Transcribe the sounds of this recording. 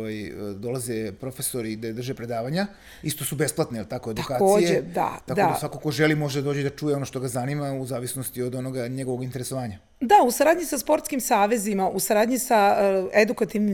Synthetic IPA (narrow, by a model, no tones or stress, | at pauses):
ʋajd̪o̞lˠazepɾo̞fe̞so̞ɾid̪ad̪r̩ʒepɾe̞d̪aːʋaɲa | ist̪o̞sube̞splˠat̪nejelt̪akoed̪uakaːtk̪osːijd͡ʑeed̪a̰t̪akd̪adasʋakokoʒe̞limo̞ʒed̪ad̪oːd͡ʑed̪at͡ʃuːjeo̞noʃt̪o̞ɡazanimauzaːʋisnost̪iod̪o̞no̞ɡaɲe̞ɡo̞ʋoɡint̪eɾeso̞ʋaːɲa | d̪ausaɾaːd̪ɲisaspo̞ɾt̪skimsaːʋe̞zimaʔusaɾaːd̪ɲisaed̪ukat̪iʋni